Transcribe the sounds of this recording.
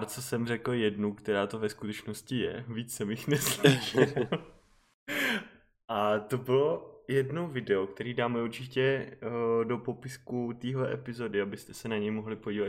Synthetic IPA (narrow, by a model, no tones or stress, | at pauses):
ɾt͡sosɛmrɛkl̩jɛdnukt̪ɛɾaːt̪ovɛskut̪ɛt͡ʃnoscɪjɛ̰viːt͡ssɛmjɪxnɛsliʃl | ʔat̪obɪlo̞jɛdno̞wvɪdɛok̚t̪ɛɾiːdaːmɛuɾt͡ʃɪcɛ | do̞po̞pɪskut̪iːɦlɛʔɛpɪzo̞dɪabɪst̪ɛsɛnaɲɛjmoɦlɪpo̞ɟiːvat̪